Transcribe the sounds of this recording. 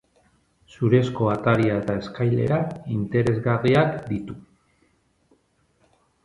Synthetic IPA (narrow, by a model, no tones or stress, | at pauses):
suɾe̞sko̞at̪aɾiae̞t̪ae̞skajle̞̰ɾaint̪e̞ɾe̞zɣariakd̪it̪u